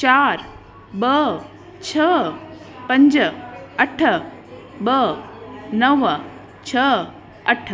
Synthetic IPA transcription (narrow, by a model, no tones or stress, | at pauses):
t͡ɕaɾ | bə | t͡ɕʰə | pəɲd͡ʑəəʈʰə | bə | nəʋə | t͡ɕʰə | əʈʰ